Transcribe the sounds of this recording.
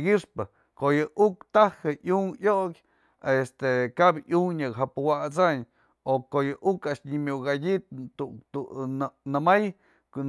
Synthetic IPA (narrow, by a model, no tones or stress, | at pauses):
ɡiʂpɨ | kojɨʔukt̪ahɨʔuŋjoʔkʲ | est̪ekabʔuŋɲɨkɦapuwat͡saɲ | okojɨʔukaʔʂɲimʲjuʔɡadit̪̚ut̪unɨmaj